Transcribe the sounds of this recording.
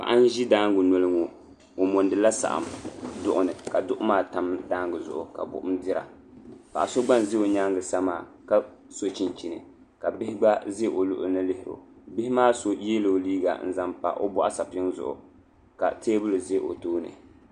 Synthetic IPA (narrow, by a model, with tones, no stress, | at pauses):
pa̰˨ʔa˦n˦ʒi˦daː˦ŋɡʊ˨no˨lɨ˦ŋu˨ | o˨mo˨ndɨ˨˦la˦sa̰˨ʔa̰˨mdʊ˦˨ʔʊ˨nɨ˨ka˨dʊ˦ʔʊ˦maː˦ta˨mdaː˦ŋɡɨ˨zʊ̰˨ʔʊ̰˨ka̰˨bʊ̰˨ʔʊ˦mdɪ˦ɾa̰˨ | pa˨ʔa˨so˦ɡ͡ba˦n˨ze˦o˨ɲa˦ŋɡɨ˨sa˦maː˨ | ka˦ | so˦t͡ʃi˨nt͡ʃi˨nɨ̰˨ | ka˨bɪ˦hɪ˦ɡ͡ba˦ze˦ʔo˨lʊ˦ʔʊ̰˦˨nɨ˦lɪ˦hɪ˨ɾo̰˨ | bɪ˦hɪ˦maː˦so˨˦e˦lo˨liː˦ɡa̰˨n̩˨za˦mpa̰˨ʔo˦bɔ˦ʔa˦sa˨pɪ˦ŋzʊ̰˦ʔʊ̰˨ | ka̰˨teː˦bʊ˦lɨ˨ze˦ʔo̰˨toː˦nɨ̰˨